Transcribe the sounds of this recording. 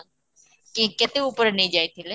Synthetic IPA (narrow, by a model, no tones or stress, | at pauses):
kikɪt̪eupəɾnẽĩd͡ʒaːit̪ʰile